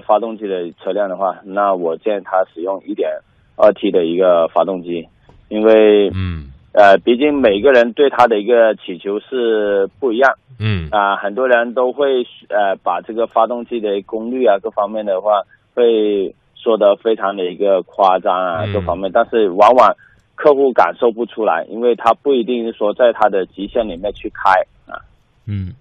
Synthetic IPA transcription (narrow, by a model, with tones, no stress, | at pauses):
fa˥t̪ʊ˥˧ŋt͡ɕi˥˩d̪ə˩t͡sʰɤ˥˧ljɑ˥˩ŋd̪ə˩xwa˥˩na˥˩wɔ˨˩t͡ɕjɛ˥˩nt̪ʰa˥ʂɻ̩˨˩jʊ˥˧ŋi˥˩t̪jɛ˨˩n | ə˥˩t̪ʰi˥d̪ə˨i˧˥ɡə˧fa˥t̪ʊ˥˧ŋt͡ɕi˥ | i˥nwe˥˩ɪ | ə˧pi˧˥t͡ɕi˥˩ŋme˨˩ɪ˥ɡə˧ɻə˧˥nt̪we˥˩ɪt̪ʰa˥d̪ə˨i˧˥ɡə˧t͡ɕʰi˨˩t͡ɕʰjo˧˥ʊʂɻ̩˥˧pu˥˩i˧˥jɑ˥˩ŋə˧xə˨˩nt̪wɔ˥ɻə˧˥nt̪o˥ʊxwe˥˩ɪ˥ə˧pa˨˩ʈ͡ʂɤ˥˩ɡə˩fa˥t̪ʊ˥˧ŋt͡ɕi˥˩d̪ə˩˥kʊ˥ŋly˥˩a˩kɤ˥˩fɑ˥ŋmjɛ˥˩nd̪ə˩xwa˥˩ | xwe˥˧ɪ | ʂwɔ˥˩d̪ə˨fe˥ɪʈ͡ʂʰɑ˧˥ŋd̪ə˨˩i˧˥ɡə˧kʰwa˥˩ʈ͡ʂɑ˥ŋɐ˨kɤ˥˩fɑ˥ŋmjɛ˥˧nt̪a˥˧nʂɻ̩˥˩wɑ˧˥ŋwa˨˩ŋ | kʰɤ˥˧xu˥˩ka̰˨˩nʂo˥˧ʊpu˥˩ʈ͡ʂʰu˥la̰˧˥ɪʔḭ˥nwe˥˩ɪt̪ʰa˥pu˥˩i˧˥t̪i˥˧ŋʂ̩˥˩ʂwɔ˥t͡sa˥˩ɪt̪ʰa˥d̪ə˨t͡ɕi˧˥ɕjɛ˥˩nli˨˩mjɛ˥˧nt͡ɕʰy˥˩kʰa˥ɪ | ɐ̰˨˩˥